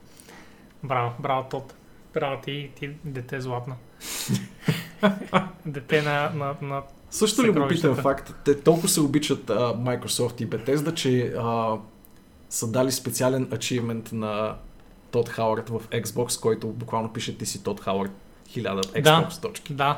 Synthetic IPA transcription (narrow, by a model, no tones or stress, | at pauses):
bɾavbɾavt̪ɔt̪ | bɾavt̪it̪id̪ɛt̪ɛzlˠat̪nə | d̪ɛt̪ɛnɐnɐnɐ | sɤʃt̪oliɡʊvpit̪ɛmfakt̪ːɛt̪ɔlˠkʊsɛobit͡ʃət̪əmajkɾosɔft̪ibɛt̪ɛzd̪ɐt͡ʃɛə | səd̪alispɛt̪sialɛnɐt͡ʃivmɛnt̪nɐ | t̪ɔt̪xawəɾt̪vɐfɛksbɔkskɔjt̪obʊkvalˠnopiʃət̪ːisit̪ɔt̪xawəɾt̪ | xilʲad̪əɛk̪d̪abɔkst̪ɔt͡ʃki̥d̪a